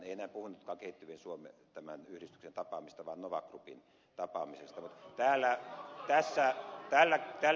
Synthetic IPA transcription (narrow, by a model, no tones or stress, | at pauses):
eˑienæːpuhunːut̪kɑːŋkeˑit̪ːyʋensuomḛt̪æmæ̰nyhɾist̪y̥ksent̪ɑpɑːmist̪ɑʋɑːnnoʋɑ̰krupḭn | t̪ɑpɑ̰ːmisest̪ɑmut̪t̪æːlːæt̪æsːæt̪æːlːæt̪æ